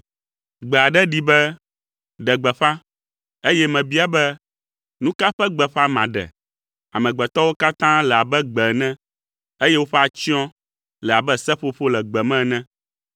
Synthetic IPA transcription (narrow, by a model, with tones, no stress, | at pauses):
ɡ͡bɛ˨a˨ɖɛ˦ɖi˦bɛ˦ | ɖɛ˨ɡ͡bɛ˨ɸã˦ | e˦jɛ˦mɛ̃˨bi˦a˨bɛ˦ | nũ˦ka˦ɸɛ˦ɡ͡bɛ˨ɸa˦mã̰˨ɖɛ̰˨ | a˨mɛ̃˨ɡ͡bɛ˨t̪ɔ˦wo˦ka˦t̪ã˦lɛ˨a˨bɛ˦ɡ͡bɛ˨nɛ̃˦ | e˦je˦wo˦ɸɛ˦a˨t͡ɕi˦ɔ̃˦ | lɛ˨a˨bɛ˦sɛ˦ɸo˦ɸo˦lɛ˨ɡ͡bɛ˨mɛ̃˦nɛ̃˦